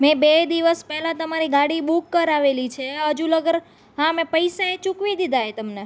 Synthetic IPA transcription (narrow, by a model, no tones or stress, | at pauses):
mẽbed̪iʋəspɛɦlãt̪əmaɾiɡaɽibukːəɾaʋelit͡ʃʰeɦəd͡ʒuləɡəɾ | ɦãmẽpəjsaet͡ʃukʋid̪id̪ʱaet̪əmne